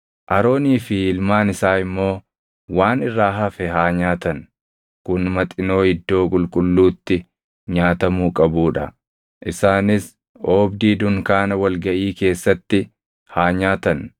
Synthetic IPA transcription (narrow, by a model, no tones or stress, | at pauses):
ʔɐɾo̞ːniːfɪɪlmaːnɪsaːɪmːo̞ː | waːnɪrːaːɦɐfɛɦaːɲaːt̪ɐn | kʊnmɐt̪ʼɪno̞ːhɪd̪ːo̞ːkʼʊlkʼʊlːuːt̪ːɪ | ɲaːt̪ɐmuːkʼɐbuːᶑɐ | ʔɪsaːnɪs | oːbd̪iːd̪ʊŋkaːnɐwɐlɡɐʔiːke̞ːsːɐt̪ːɪ | haːɲaːt̪ɐn